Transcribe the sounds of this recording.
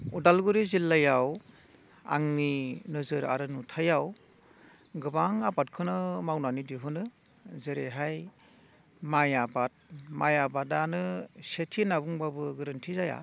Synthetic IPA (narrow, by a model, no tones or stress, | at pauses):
udalɡuɾizilːajaw | a̰ŋninɯzɯɾa̰ɾɯnutʰajaw | ɡɯbaŋabat̚kʰɯnɯmawnanidiɦɯnɯ | zeɾeɦaj | majabat̚majabadanɯsetʰinabuŋbabɯɡɯɾɯntʰizaja̰